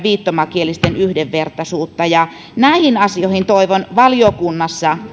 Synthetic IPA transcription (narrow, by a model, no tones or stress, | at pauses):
ʋiːt̪ːomɑkielist̪enyhdeʋʋert̪ɑsuːt̪ːɑjɑ | næˑihinɑsioˑhint̪oˑiʋonʋɑlijokunːɑsːɑ